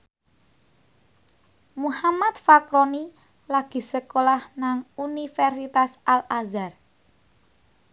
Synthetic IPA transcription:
muhamat̪fakɾoni | laɡ̥i̤səkolahnaŋunifɛrsit̪asalazar

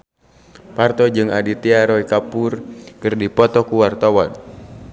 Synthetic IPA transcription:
part̪ɔd͡ʒɨŋadit̪iaɾɔikapurkɨrdipɔt̪ɔkuwart̪awan

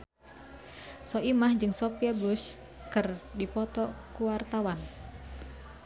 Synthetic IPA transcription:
sɔʔimahd͡ʒɨŋsopiabus | kɨrdipɔt̪ɔkuwart̪awan

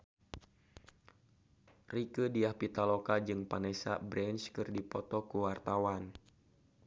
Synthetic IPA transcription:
rikədiahpit̪alɔkad͡ʒɨŋpanɛsa̰bɾɛnskɨrdipɔt̪ɔkuwart̪awan

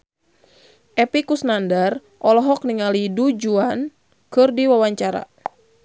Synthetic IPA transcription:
ʔɛpikusnandar | ʔɔlɔɦɔk̚niŋalidud͡ʒuan | kɨrdiwawaɲt͡ʃaɾa̰

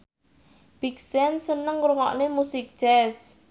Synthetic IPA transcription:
b̥iksɛnsənəŋɾuŋɔ̰ʔnemusɪk̚d̥ʒ̥ɛs

